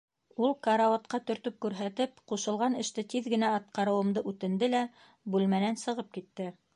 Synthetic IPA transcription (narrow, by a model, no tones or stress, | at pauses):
ulˠkɑɾɑwot̪qɑt̪ɵ̆ɾt̪ɵp̚kʉɾɦæt̪ɘp̚quʃɤ̆lˠʁɑnɘ̆ʃt̪ɘt̪iðɡɘ̆næɑt̪̚qɑɾɤ̆wɤ̆md̪ɤʔʉt̪ɘ̆nd̪ɘlæ | bʉlmænænsɤ̆ʁɤp̚kit̪ːɘ